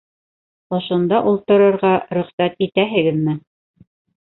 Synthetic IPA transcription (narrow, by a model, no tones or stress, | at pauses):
ŏʃŏnd̪ɑʔulˠt̪ɤ̆ɾɤ̆ɾʁɑɾɵ̆χsæt̪it̪æɦɘ̆ɡɘðmɘ